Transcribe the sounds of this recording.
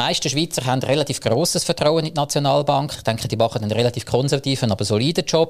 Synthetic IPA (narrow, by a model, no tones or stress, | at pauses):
maɪʃtəʃʋiːt͡sərɦandrelɑtiːfɡ̥roːsəsfɛɐtrawənidnɑt͡sjonɑːlbɑŋkχɪ̥χtɛŋkχəd̥iːmɑχədənʁelɑtiːfkχɔnsɛʁvɑtiːfənɑbəsoliːdət͡ʃɔp̚